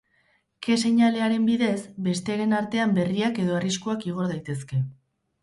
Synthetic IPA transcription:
ke̞se̞ɲale̞aɾe̞mbiðe̞zbe̞st̪e̞aɾe̞naɾt̪e̞ambe̞riake̞ðo̞ariskuakiɣ̞o̞ɾðajt̪e̞ske̞

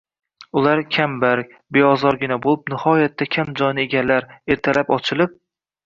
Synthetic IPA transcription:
ʊlˠaɾkʲʰambaɾk̚ʲ | be̞ɒzɒɾɡʲɪnabolˠɪp̚nɪhɒjat̪ʰːakʲʰamd͡ʒɒjnɪeɡʲalːaɾe̞ɾt̪ʰalapɒt͡ʃʰɪlɪp̚

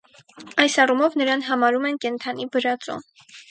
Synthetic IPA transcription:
ɑjsɑrumɔvnəɾɑnɦɑmɑɾumɛnkɛnt̪ʰɑnibəɾɑt͡sɔ̰

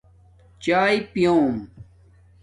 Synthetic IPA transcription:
t͡ɕaːjpijoːm

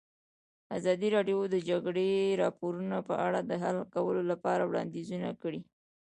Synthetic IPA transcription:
azɑd̪iɾɑɖjod̪əd͡ʒaɡɽeɾɑpoɾunapə̰ʔaɽad̪əɦalkawəlolapɑɾawɽɑ̰nd̪izunakəɽi

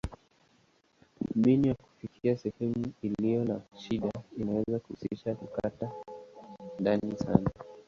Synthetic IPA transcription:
ɓiniwaku̥fikʰiasɛhɛmuilijɔnaʃiɗainawɛzakuhṵsiʃakukata | ndanisa̰na

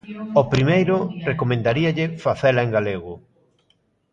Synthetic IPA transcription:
opɾimejɾʊrekomẽnd̪aɾiɐʎɪfaθɛlɐeŋɡaleɣʊ

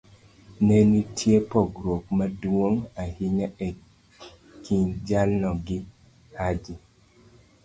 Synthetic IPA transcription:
nenitʰjepɔɡɾokmadwoŋahiɲaɛ | kʰiɲd͡ʒalnɔɡɪ | had͡ʒi

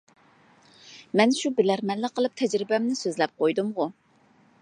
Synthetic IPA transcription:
mɛnʃubɪlæɾmɛnlɨqʰəlˠɨp̚t̪ʰɛd͡ʒɾɪbɛmnɪsøzlɛp̚qʰojd̪umʁʊ

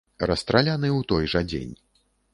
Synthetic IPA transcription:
rɐst̪ɾalʲanɨwt̪ɔjʐɐd͡zʲḛnʲ

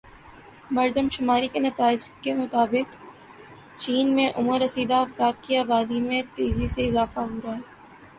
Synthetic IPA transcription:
mɐɾd̪əmʃʊmaːɾikenɐt̪aːɪd͡ʒkemʊt̪aːbɪk | t͡ʃiːnmẽʔʊməɾɐsiːd̪aɐfɾaːt̪̚kiaːbaːd̪imẽt̪eːziseɪzaːfaɦoːɾaɦɛː

